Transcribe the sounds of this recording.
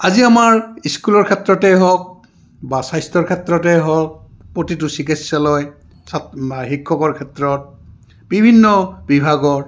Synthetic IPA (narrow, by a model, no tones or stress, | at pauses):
aziamaɹiskulɔɹkʰɛtɹɔtɛɦɔk̚ | basajstɔɹkʰɛtɹɔtɛɦɔk̚ | pɹotit̬ʊsikisːalɔj | sahikʰːɔkɔɹkʰɛtɹɔt̚ | b̥ibʱinːɔbibʱaɡɔɹ